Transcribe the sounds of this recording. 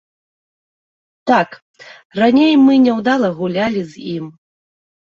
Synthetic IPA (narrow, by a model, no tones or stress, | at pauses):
t̪ak | ranʲejmɨnʲɛwd̪alˠɐɣulʲalʲizʲim